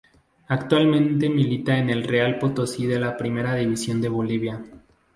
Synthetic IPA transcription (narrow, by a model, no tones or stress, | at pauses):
akt̪walmẽ̞nt̪e̞milit̪aene̞lrealpot̪osiðe̞lapɾime̞ɾaðiβisjo̞nd̪e̞β̞o̞liβ̞ja